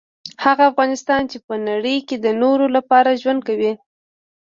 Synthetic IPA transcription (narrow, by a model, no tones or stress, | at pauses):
haɣaːfɣɑnɪst̪ɑnt͡ʃepənaɽəjked̪ənoɾolapɑɾaʒwand̪̚kawi